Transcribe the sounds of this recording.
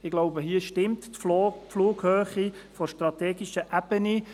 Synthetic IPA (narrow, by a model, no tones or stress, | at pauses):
ɪɡ̥loʊbəɦiːʃtɪmt̪ːfluːɡhøːχifɔʃtɾɑt̪eːɡiʃəʔabəni